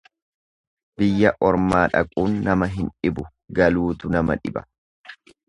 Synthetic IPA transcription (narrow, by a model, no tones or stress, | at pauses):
bɪjːɐʔɔɾmaːᶑɐ̰kʼuːnːɐmɐɦɪnᶑɪbʊ | ɡɐluːt̪ʊnɐmɐ̰ᶑɪbɐ̥